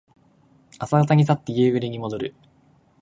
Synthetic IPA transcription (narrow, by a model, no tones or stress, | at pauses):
asaɡat̪aɲ̟is̬at̪ːejeːɡɯ̟ɾeɲ̟imo̞d̪o̞ɾɯ̟